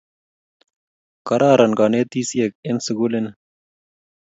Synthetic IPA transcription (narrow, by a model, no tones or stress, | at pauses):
kɐɾʔaːɾɐnɡaːneːt̪iːsiek̚ensiɡulen